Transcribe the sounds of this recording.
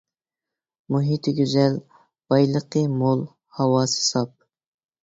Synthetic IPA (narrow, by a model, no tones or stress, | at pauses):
muɦit̪ʰɪɡʲyzɛl | b̥ɑjlˠəqəmolˠ | hɑwɑːsɨ̥sɑp̚